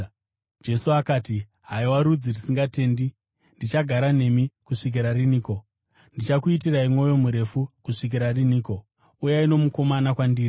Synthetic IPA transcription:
d͡ʒe̞suakaːti | ɦaiwaɾud͡zirisiŋɡate̞ːndi | ndit͡ʃaɡʱaɾane̞mikuʂik̬iɾariniːko̞ | ndit͡ʃakuit̬iraimwo̞jo̞muɾe̞fukuʂik̬iɾariniːko̞ | ujaino̞muko̞manakwandiːɾi

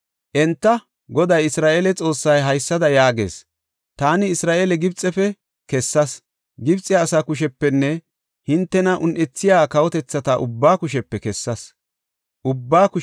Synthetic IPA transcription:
ʔɛnt̪ːɐ | ɡɔd̪ɐjɪsɾaːʔeːlɛt͡sʼo̞ːsːɐjɦɐjsːɐd̪ɐjaːɡḛːs | t̪aːnɪːsɾaːʔelɛɡɪbt͡sʼːɛfɛ | kɛsːɐs | ɡɪbt͡sʼːɪːsakʊʃ̬ɛpːɛnːɛ | hɪnt̪ːɛnɐʔʊnʔɛt͡sːɪjaːkɐwɔt̪ɛt͡sːɐt̪ɐʔʊbːaːkʊʃ̬ɛpːɛkɛsːɐs | ʔʊbːaːkʊ

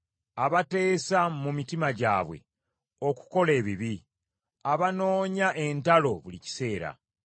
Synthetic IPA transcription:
aβate̞ːsamumitimaɟa̰ːβwe̞̰ | o̞ku̥ko̞le̞ːβiβi | aβano̞ːɲaʔe̞ntalo̞βulici̥se̞ːɾa̰

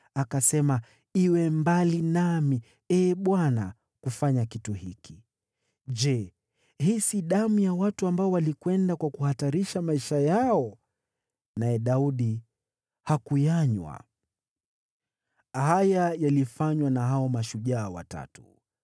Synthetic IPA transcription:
akasɛma | iwɛmbalinami | ɛːɓwana̰ | kufaɲakituhiki | d͡ʒɛ | hisiɗamujawatuambaɔwalikwɛndakwakuhataɾiʃamaiʃajaɔ | najɛɗauɗi | hakujaɲwa̰ | hajajalifaɲwanaɦaɔmaʃuʄaːwa̰ta̰tu

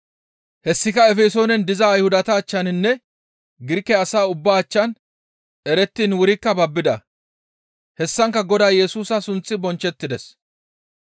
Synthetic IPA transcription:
hɛsːɪkɐɛfeːso̞ːnɛnd̪ɪzɐːjhʊd̪ɐt̪ɐːt͡ʃːɐnɪnːɛ | ɡɪɾkːɛɐsaːʊbːaːt͡ʃːɐn | ɛɾɛt̪ːiːnwʊɾɪkːɐbɐbːɪd̪ɐ | hɛsːɐŋkːɐɡɔd̪aːjɛsuːsɐsʊnt͡sʼːɪbɔnt͡ʃːɛt̪ːɪd̪ɛs

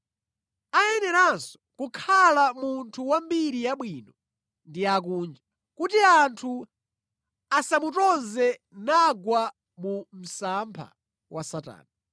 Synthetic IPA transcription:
ajɛnɛɾansɔ̥kukʰalamuntʰuwambiɾijaɓwiːnɔ | ndiak̬uːnd͡ʒa | kutiantʰu | asamutɔnzɛ | naɡwa | mum̩sampʰa̰ | wʔasata̰ːna

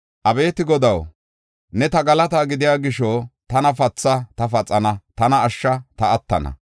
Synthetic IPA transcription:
ʔɐbe̞ːt̪ɪɡɔd̪ɐw | nɛt̪ɐɡɐlɐt̪aːɡɪd̪ɪjaːɡɪʃɔt̪ɐnɐfɐt͡sːɐt̪ɐfɐt͡sʼːɐnɐt̪ɐnɐːʃːɐt̪ɐːt̪ːɐnɐ̰

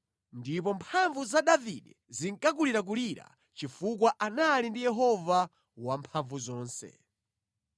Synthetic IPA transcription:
ndip̬ɔmpʰaɱvuzaɗaviɗɛ | ziŋkak̬uliɾak̬uliɾa̰ | t͡ʃifuk̬waʔanalindijɛɦɔva | wampʰaɱvuzɔːnsɛ̰

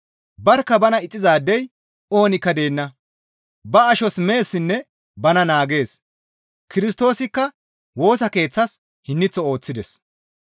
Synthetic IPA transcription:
bɐɾkːɐbɐnɐɪt͡sʼːɪzaːd̪ːɛj | o̞ːnɪkːɐd̪e̞ːnːɐ | bɐɐʃɔsme̞ːsːɪnːɛ | bɐnɐnaːɡe̞ːs | kɪɾɪst̪o̞ːsɪkːɐ | wo̞ːsɐke̞ːt͡sːɐs | hɪnːɪt͡sːɔo̞ːt͡sːɪd̪ɛs

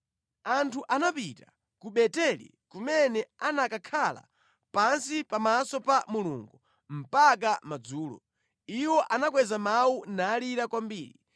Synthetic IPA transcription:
antʰuʔanapita | kuɓɛtɛlḭkumɛnɛanakakʰala̰ | pansipamasɔpamulṵŋɡu | m̩pak̬amad͡zuːlɔ̰ | iwɔʔanak̬wɛzamawunaːliɾakwambiːɾi

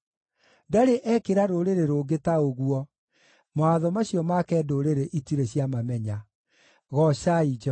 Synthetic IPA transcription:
daɾeʔɛkeɾaɾoːɾeɾeɾoːɡetaoɣwɔ | moaðɔmaɕjɔmakɛːdoɾeɾeʔitiɾeɕjamamɛɲa | ɣɔɕaid͡ʒɛ

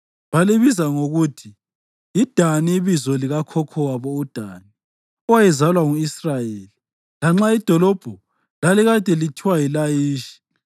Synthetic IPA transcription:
βaliβizaŋoɣutʰi | id̥ʱaniiβizɔliɣakʰɔkʰɔwaβɔud̥ʱaːni | ɔwajɛzalwaŋuisrajeːli | laŋ͡ǁaid̥ʱɔlɔb̥ʱɔ | laliɣad̥ʱɛlitʰiwailajiːʃi̥

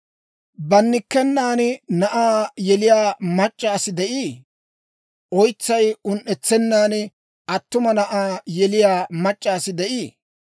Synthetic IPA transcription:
bɐnːɪkːɛnːaːnnɐʔaːjɛlɪjaːmɐt͡ʃʼːaːsɪd̪ɛʔiː | ʔɔjt͡sːɐjʊnʔɛt͡sːɛnːaːn | ʔɐt̪ːʊmɐnɐʔaːjɛlɪjaːmɐt͡ʃʼːaːsɪd̪ɛʔiː

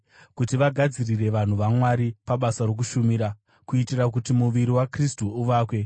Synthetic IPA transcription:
kutiʋaɡʱad͡zirire̞ʋan̤uʋamwaɾipaɓasaɾo̞k̬uʃumiɾa | kuitirakutimuʋiɾiwakristuːʋaːkwe̞

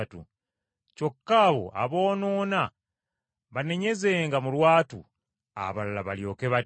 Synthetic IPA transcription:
atṵ | co̞kːaːβo̞̰ʔa̰βo̞ːnoːna | βane̞ɲe̞ze̞ːŋɡamulwaːtṵ | a̰βalalaβaljo̞ːke̞βa

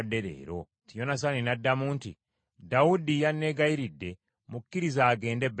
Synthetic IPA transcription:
dːeɾḛːɾo | tijo̞nas̬aninadːamuːntḭ | daudijanːeɡaiɾidːe̞ | mukːiɾizaːɡe̞ːndeb

